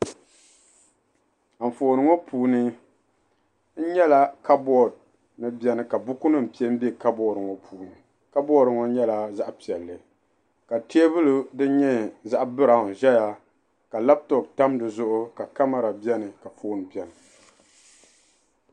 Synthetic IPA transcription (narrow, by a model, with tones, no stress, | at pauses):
a˨foː˨nɨ˨ŋo˦pʰuː˨nɨ˦ | n̩˦ɲɛ˦la˦ka˦bɔ˦˨d̚ | nɨ˦bi˦ɛ˦nɨ˨ka˨bʊ˦ku˦nɨ˦˨m̩˨pi˦e˦m̩˦be˦ka˦bɔː˦˨ɾɨ˨ŋɔ˨pʰuː˨˦nɨ˨ | ka˦bɔ˦ɾɨ˨ŋo˦ɲɛ˦la˨za˦ʔpi˨ɛ˨lːɨ˦ | ka˨te˦e˦bɨ˦lu˦dɨ˦ɲɛ˦za˦ʔbɨ˦ɾa˨hn˨ʒɛ˦ja˦ | ka˨la˦b̚tɔ˨k̚ta˦mdɨ˨zʊ˦ʔʊ˦ka˨ka˦ma˦˨ɾa˨bjɛ˦nɨ˨ka˨foː˦nɨ˨bɛ˨nɨ˨